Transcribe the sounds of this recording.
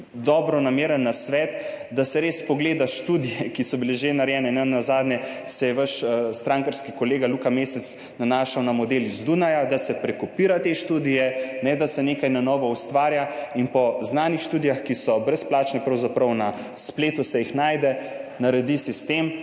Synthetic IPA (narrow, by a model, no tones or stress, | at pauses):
d̪ɔːbɾɔnameːɾənːasʋɛt̪ | d̪asɛɾeːspɔɡleːd̪aʃt̪uːd̪ijɛkisɔbileʒenaɾjɛːnɛnɛnːazaːd̪nʲɛ | sɛjɛʋaʃst̪ɾaːŋkaɾskikɔleːɡalukameːsɛt̪s | nanaːʃawnamɔd̪eːlizd̪unajad̪asɛpɾɛkɔpiːɾat̪eʃt̪uːd̪ijɛnɛd̪asɛneːkajnanɔːʋɔust̪ʋaːɾjainpɔznaːnixʃt̪uːd̪ijaxkisɔbɾɛsplaːt͡ʃnɛpɾɐwzapɾɐwna | spleːt̪usɛjixnaːjd̪ɛ | naɾɛd̪isist̪eːm